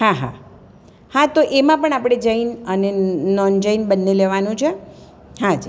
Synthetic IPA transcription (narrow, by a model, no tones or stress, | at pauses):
ɦãɦã̰ | hãt̪oʔemãpəɳapɽ̃ed͡ʒəinənenɔnd͡ʒəjnbənːeleʋanũt͡ʃʰe | ɦãd͡ʒ